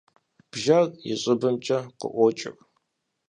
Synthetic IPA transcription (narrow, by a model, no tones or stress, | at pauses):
b̥ʒaɣjɪ̰ɕʼɪbɨmt͡ʃʼɐqə̰ʔʷɔt͡ʃʼɪ̰r